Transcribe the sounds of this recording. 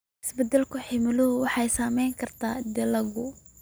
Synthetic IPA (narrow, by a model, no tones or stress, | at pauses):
ʔɪsbɛd̪ɛlkʰʊħɪmɪlʊɦʊwɑħɑjsaːmɛjŋkʰɐrt̪ʰaːd̪ɛlɐɣʊ